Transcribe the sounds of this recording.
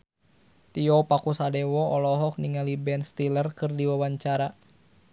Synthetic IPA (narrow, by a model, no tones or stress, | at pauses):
t̪iɔpakusadɛwɔɔlɔɦɔk̚niŋalibɛnst̪ilərkɨrdiwawaɲt͡ʃaɾa